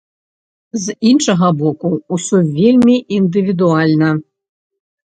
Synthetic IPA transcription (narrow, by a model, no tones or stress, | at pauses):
zinʂɐɣɐbɔkuusʲuvʲelʲmʲiʔind̪ɨvʲid̪ualʲnɐ